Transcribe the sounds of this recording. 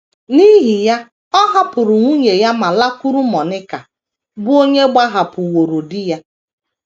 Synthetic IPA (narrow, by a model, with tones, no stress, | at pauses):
ni˦ɦi˨ja˦ | ɔ˦ɦa˦pʊ˨ɾʊ˨ŋʷu˦ɲe˨ja˦ma˨la˦kʊ˦ɾʊ˦mɔ˨nɪ˦ka˨ | bʊ˦o˦ɲe˦ɡ͡ba˦ɦa˨pʊ˨wo˨ɾo˨dɪ˦ja˦